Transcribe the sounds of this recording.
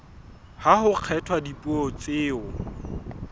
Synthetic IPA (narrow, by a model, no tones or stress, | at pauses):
haɦʊq͡χʰɛtʰwadipʼuɔt͡sʼɪːʊ